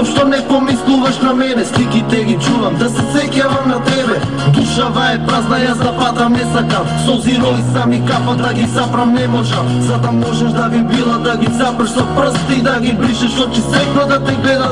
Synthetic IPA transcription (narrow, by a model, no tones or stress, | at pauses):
ʃt̪onɛpomislˠuvaʃnamɛnɛslikit̪ɛɡit͡ʃuvamd̪asɛsɛkjavamnat̪ɛbɛ | d̪uʃavaɛpɾaznajazd̪apat̪amnɛsaka | soziɾɔlisamikapad̪aɡisapɾamnɛmoʒazat̪amɔʒaʃd̪avibilˠad̪aɡizapr̩ʃapɾst̪iid̪aɡibɾiʃɛʃt̪ocɛsɛknɔd̪at̪ɛɡlɛd̪a